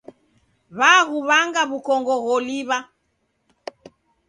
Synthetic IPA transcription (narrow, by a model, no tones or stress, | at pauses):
βaɣuβaŋɡaβukɔŋɡɔɣɔliβa